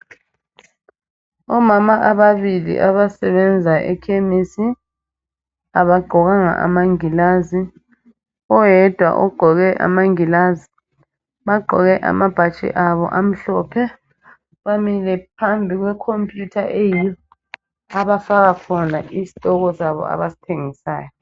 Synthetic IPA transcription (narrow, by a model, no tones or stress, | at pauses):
ɔmamaʔaβaβilḭʔaβasɛβɛnd͡zʱaʔɛ̰kʰemisi | aβaɡ͡ǃʱɔɣaŋa̰ʔa̰maŋilazi | ɔjɛd̥ʱwa̰ʔɔɡ͡ǃʱɔɣɛʔa̰maŋilazi | βaɡ͡ǃʱɔɣɛʔa̰mab̥ʱat͡ʃʼɛ̰ʔaβɔ̰ʔam̩ɬɔːpʰɛ | βamilɛpʰambʱiɣwɛkʰompʼjutʰaʔejijɔ | aβafaɣakʰɔnaʔisi̥tʼɔɣɔsaβɔ̰a̰βasi̥tʰeŋisaːjɔ